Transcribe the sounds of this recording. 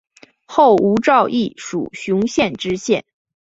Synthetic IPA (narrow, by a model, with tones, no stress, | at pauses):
xo˥˩ʊu˧˥ʈ͡ʂɑ˥˧ʊʔi˥˩ʂṵ˨˩ɕu˧˥ŋɕjɛ˥˧nʈ͡ʂɻ̩˥ɕjɛ˥˩n